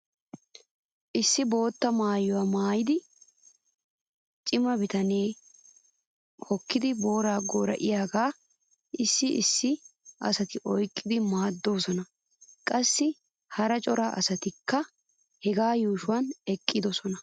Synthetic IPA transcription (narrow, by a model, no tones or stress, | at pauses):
ʔɪsːɪbo̞ːt̪ːɐmaːjɔwɐmaːjɪd̪ɪ | t͡ʃʼɪmɐbɪt̪ɐneː | hɔkːɪd̪ɪbo̞ːɾaːɡoːɾɐ̰ʔɪjaːɡaː | ʔɪsːɪʔɪsːɪʔɐ̰sɐt̪ɪʔɔjkʼːɪd̪ɪmaːd̪ːo̞ːsɔnɐ | kʼɐsːɪ | hɐɾɐt͡ʃʼɔɾaːʔɐ̰sɐt̪ɪkːɐ | hɛɡaːjuːʃʊwɐnɛkʼːɪd̪ɔsɔnɐ